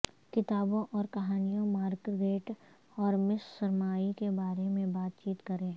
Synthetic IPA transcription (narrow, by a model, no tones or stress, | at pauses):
kɪt̪aːbõʔɔːɾkɐɦaːnijõmaːɾkɡeːʈ | ɔːɾmɪssɐɾmaːikebaːɾemẽbaːt̪̚t͡ʃiːt̪kɐɾẽ